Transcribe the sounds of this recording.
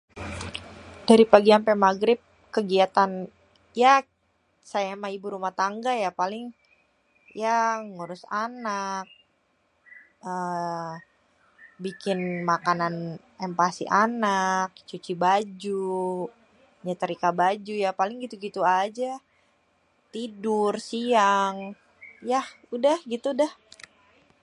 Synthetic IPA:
d̥aɾipaɡiampɛmaɡɾɪp̚ | kəɡiat̪an | ja | sajaemahibuɾumaht̪aŋɡajapalɪŋ | jaŋuɾʊsanak̚ | ə | bikɪnmakanan | ɛmpasḭʔanak̚t͡ʃut͡ʃibad͡ʒu | ɲat̪əɾikabad͡ʒujapalɪŋɡit̪uɡit̪uad͡ʒa | t̪idʊrsiaŋ | jah | udahɡit̪uːdah

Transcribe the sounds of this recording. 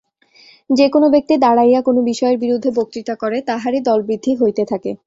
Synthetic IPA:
d͡ʑekonobek̚t̪id̪aɽajakonobiʃɔeɾbiɾud̪ʱːebok̚t̪ɾit̪akɔɾet̪aɦaɾid̪ɔlbɾid̪ʱːiɦojt̪et̪ʰake

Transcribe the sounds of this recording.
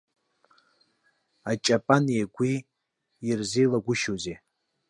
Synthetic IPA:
at͡ʃʼapʼanijaɡʷiː | rzelaɡʷʊʃoze

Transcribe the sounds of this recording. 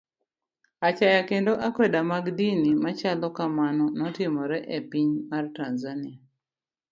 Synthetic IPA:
at͡ʃajakendoʔakwedamaɡdinimat͡ʃalɔkamanɔnɔtɪmɔɾɛʔepiɲmartanzanɪa

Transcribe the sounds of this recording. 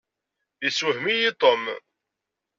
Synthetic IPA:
jishmijit̪ˤom

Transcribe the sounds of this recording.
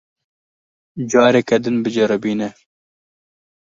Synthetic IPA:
d͡ʒɑːɾɛkɛd̪ɨnbɨd͡ʒɛɾɨbiːnɛ

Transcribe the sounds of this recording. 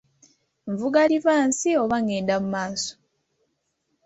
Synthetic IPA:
ɱvuɡalivaːnsioβaŋeːndamumaːso̥

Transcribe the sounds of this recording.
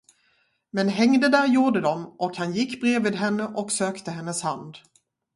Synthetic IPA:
mɛnɦɛŋd̪əd̪æɾjuːɖəd̪ɔmʔɔkhanjɪkːbɾeːvɪːd̪ɦɛnːəʔɔksøːkt̪əɦɛnːəshand̪

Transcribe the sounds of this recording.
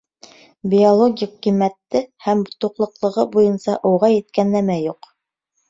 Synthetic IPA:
bʲiolˠoɡʲikːijmæt̪ːɘhæmbot̪ŭqlˠɤ̆qlˠɤ̆ʁɤbujɤnsɑʔŏwʁɑjɘ̆t̪̚kænːæmæjuq

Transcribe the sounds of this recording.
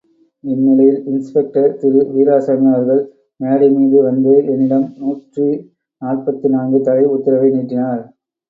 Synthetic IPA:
ɪnːɪlɐjɪlɪnspɛk̚ʈɐɾt̪ɪɾɯʋiːɾaːsɐmɪjaːɐɾɣɐɭ | meːɽɐɪmiːðɯʋɐnd̪ɯʔɛnːɪɽɐmnuːʈri | naːrpɐt̪ːinaːnɡɯt̪ɐɻɐɪʊt̪ːɪɾɐʋɐɪniːʈrɪnaːɾ

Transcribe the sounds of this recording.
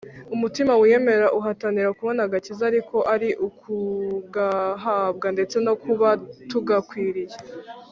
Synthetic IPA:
umutimawije̞me̞ɾaʔuɦataniɾakuβo̞naɡacizaɾiko̞ʔaɾiʔukʰuɡaɦab̚ɡande̞t͡se̞no̞kuβatuɡakwiːɾije

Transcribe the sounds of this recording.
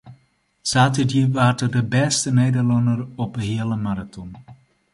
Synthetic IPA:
saːtədjiʋaːrtədəbɛstənejdərlɑndərɔpɦeːələmaɾatɔn

